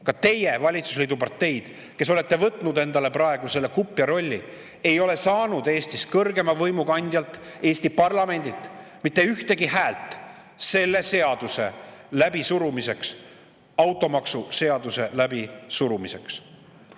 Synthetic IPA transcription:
kɑt̪e̞je̞vɑlʲit̪su̥sliːd̪upɑrt̪ːe̞jd̪̥ | ke̞s̬o̞le̞t̪ːe̞vɤt̪ːˑnud̪e̞nd̪̥ɑle̞pɾɑeɡ̥use̞lːe̞kupːˑjɑɾo̞lʲːi | e̞jo̞le̞sɑːnud̪e̞ːsʲt̪iskɤrɡe̞mɑvɤjmukɑnʲd̪̥ʲjɑlt̪ːˑe̞ːsʲt̪ipɑrlɑme̞nʲd̪ilt̪ˑ | mit̪ːˑe̞yht̪e̞ɡihæːlt̪ˑ | se̞lːe̞se̞ɑd̪̥use̞læb̥isuɾumise̞ks | ɑwt̪ːˑo̞mɑksuse̞ɑd̪̥use̞læbisuɾumise̞ks

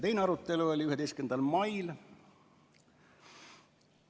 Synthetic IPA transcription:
t̪e̞jneɑɾut̪ːˑe̞luolʲiyɦe̞t̪e̞jskend̪̥ɑlmɑjl

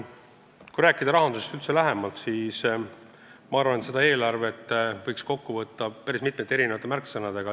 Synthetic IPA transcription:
kujɾæːkːˑid̪ɑɾɑɦɑnd̪usest̪ylt̪selæɦemɑlt̪siːs | mɑɑɾrvɑnet̪se̞d̪̥ɑe̞ːlɑrveet̪ːˑvɤjksko̞kːuvɤt̪ːɑpæɾismit̪met̪ːeɾinevɑt̪ːemærksɤnɑd̪̥e̞ɡ̥ɑ

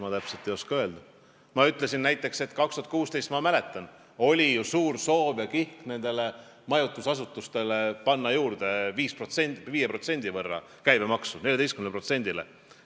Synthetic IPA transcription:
mɑt̪æpselt̪ejo̞skɑø̞ld̪ɑ | mɑyt̪ːˑle̞sinːæjt̪ːˑe̞kse̞t̪kɑkst̪uɑt̪̚kuːst̪e̞jst̪mɑmæle̞t̪ːˑɑn | o̞lʲijusuːrso̞ːbjɑkihkne̞nd̪e̞le̞ | mɑjut̪ˑːusɑsut̪ːˑust̪e̞le̞pɑnːɑjuːrd̪e̞viːspro̞t̪senviːjepro̞t̪se̞nʲd̪̥ivɤrːɑ̰ | kæjbemɑksuneljɑd̪estkymnlpro̞t̪se̞nʲd̪̥ile

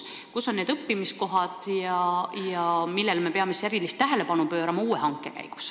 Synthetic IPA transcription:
kuso̞nned̪ɤpːimisko̞ɦɑd̪̥jɑjɑmilːelme̞peɑmeseɾilist̪ːæɦe̞le̞pɑnupøːɾɑmɑuːehɑŋkːˑe̞kæ̰jɡ̥u̥s

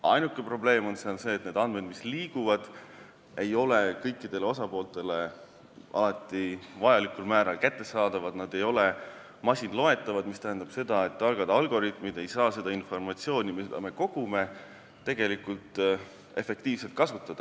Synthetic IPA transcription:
ɑ̰jnukːˑe̞pro̞ble̞ːmo̞nse̞onse̞ːt̪ne̞d̪̥ɑnd̪med̪misliːɡ̥uvɑd̪̥ | e̞jo̞le̞kɤjkːˑid̪̥e̞leo̞sɑpo̞ːlt̪ˑe̞le̞ | ʔɑ̰lɑt̪ːˑivɑjɑlikulmæːɾɑlkæt̪ːˑe̞sɑːd̪ɑvɑd̪̥nɑd̪̥e̞jo̞le̞ | mɑsʲid̪lo̞e̞t̪ˑːɑvɑd̪̥mist̪æɦænd̪ɑb̥se̞d̪̥ɑe̞t̪ːɑlɡ̥ɑd̪̥ɑɑlɡ̥o̞ɾit̪ˑmid̪e̞jsɑːse̞d̪̥ɑinfo̞rmɑt̪sio̞ːnʲimepeɑ̰me̞ko̞ɡ̥ume | t̪e̞ɡe̞likult̪ˑ | e̞fe̞k̚t̪iːvselt̪̚kɑsut̪ːˑɑd̪̥ɑ

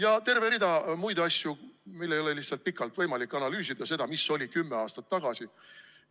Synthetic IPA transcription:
jɑt̪e̞rve̞ɾid̪ɑmujd̪ɑsʲjumilːejo̞lelihsɑlt̪̚pikːˑɑlt̪vɤjmɑlikːˑɑnɑlyːs̬id̪̥ɑse̞d̪̥ɑmiso̞lʲikymːe̞ɑːst̪ɑt̪ːɑɡ̥ɑsi

